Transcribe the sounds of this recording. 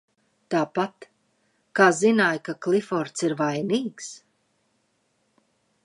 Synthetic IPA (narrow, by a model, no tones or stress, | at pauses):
t̪aːpat̪ | kaːzinaːjkaklifɔɾt̪siɾvajniːks